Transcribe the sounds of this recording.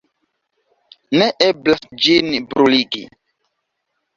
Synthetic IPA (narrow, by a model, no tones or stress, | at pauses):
neʔeblasd͡ʒinbɾuliɡḭ